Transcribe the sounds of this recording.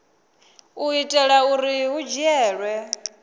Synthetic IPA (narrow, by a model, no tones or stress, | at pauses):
uitʼɛɺauɾiɦud͡ʒiɛːɺwɛ